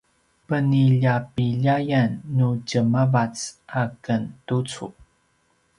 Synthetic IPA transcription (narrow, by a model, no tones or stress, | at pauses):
pəniʎapiʎajanːucəmavat͡sʔakəntut͡sṵ